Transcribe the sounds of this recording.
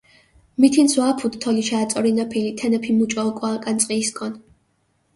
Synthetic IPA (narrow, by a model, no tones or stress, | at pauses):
mit̪ʰinswaːpʰut̪t̪ʰːɔlit͡ʃʰaːt̪sʼɔɾinapʰilit̪ʰɛnɛpʰimut͡ʃʼɔːkʼɔakʼant̪sʼqʼiːskʼɔn